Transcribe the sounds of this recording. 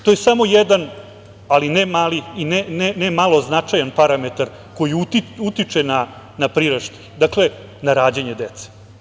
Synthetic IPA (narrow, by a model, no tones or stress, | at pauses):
t̪o̞jesamo̞jed̪an | alinɛmaːliinenenemalˠoznat͡ʃajanpaɾamet̪aɾ | ko̞jiut̪iut̪it͡ʂena | napɾiɾeʃt̪i̥nd̪akle̞ | naɾaːd͡ʑeɲed̪et̪se̥